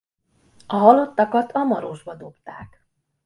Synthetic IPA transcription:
ɒɦɒlo̞t̪ːɒkɒt̪ʰɒmɒɾoʒbɒd̪o̞pt̪aːk

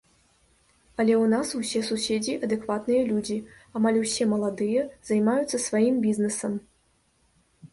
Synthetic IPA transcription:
ɐlʲɛwnasuwsʲɛsusʲed͡zʲiʔɐd̪ɛkvat̪nɨjɐlʲud͡zʲiamalʲwsʲɛmɐlˠad̪ɨjɐzajmajut̪sːɐsvajimbʲiznɨsɐm

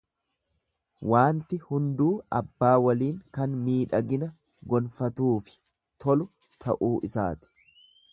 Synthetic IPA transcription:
wʔaːnt̪ɪhʊnd̪uːɐbːaːwɐliːŋkɐnmiːᶑɐɡɪnɐ | ɡɔlfɐt̪uːfɪ̥ | t̪ʰɔlʊ | t̪ʰɐʔuːʔɪsa̰ːt̪ɪ̥

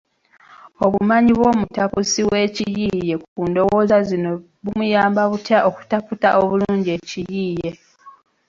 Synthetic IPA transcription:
oβumaɲiβwo̞ːmutapusiwe̞ːcijije̞kukundo̞wo̞ːzazino̞ | βumujaːmbaβutjaʔo̞ku̥taputaʔoβuluːɲɟie̞ːcijiːje̞

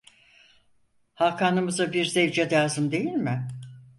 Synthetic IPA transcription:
hakʰaːnɯmɯzabiɾzɛvd͡ʒɛd̪aːzɯnd̪e̞jilʲmɪ

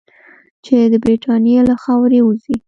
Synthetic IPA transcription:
t͡ʃed̪əbɾiʈʰɑnjelaxɑwɾeuzi

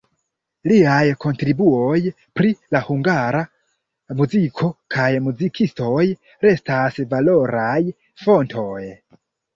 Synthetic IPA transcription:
liajkʰo̞ntɾibuoj | pɾilahuŋɡaɾa | muzikʰo̞kʰajmuzikʰisto̞j | ɾe̞stasvalo̞ɾaj | fo̞ntʰo̞j

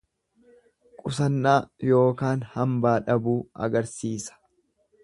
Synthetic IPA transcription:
kʼʊsɐnːaːjo̞ːkaːnhɐmbaːᶑɐbuːɐ̰ɡɐɾsiːsɐ̥

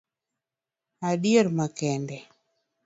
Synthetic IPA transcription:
aɗijeɾmakɛndɛ

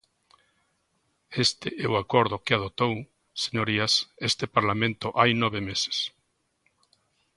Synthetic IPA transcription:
est̪ɪʔɛʊakɔɾðʊkɪað̞ot̪ow | seɲoɾiasest̪epaɾlamẽnt̪ʊʔajnɔβemese̥s

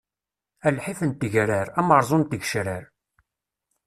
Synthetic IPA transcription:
ælħifənt̪ːiʝɾəɾæməɾˤzˤont̪iɡʃɾəɾ

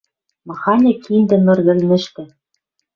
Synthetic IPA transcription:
mɑxɑnʲĕkind̪ɘ̆mɘ̆rɣɘ̆lʲnɘ̆ʃt̪ɘ̆

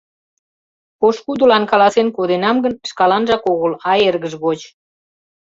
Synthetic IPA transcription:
oʃkud̪əlɑnkɑlɑsenkod̪enɑmɡənə̥ʃkɑlɑnʒɑkoɣəlɑjerɣəʒɣot͡ɕ

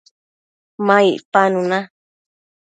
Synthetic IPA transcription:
mãiʔpanũnã

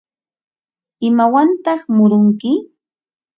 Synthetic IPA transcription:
ɪmawant̪ɑχmʊɾʊŋkɪ

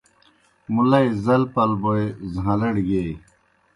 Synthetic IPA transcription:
mulɐjzɐlpɐlboezɦãlɐɽɡej

